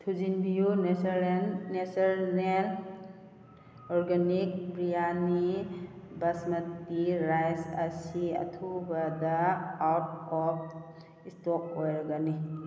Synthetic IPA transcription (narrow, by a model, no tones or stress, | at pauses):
tʰuzinbijun | nesɐɾnen | ɔɾɡanik̚bɾijani | bɐsmɐtːiɾajsɐsiɐ̰tʰubɐdɐawt̚ɔp̚ | istɔk̚ojɾɐɡani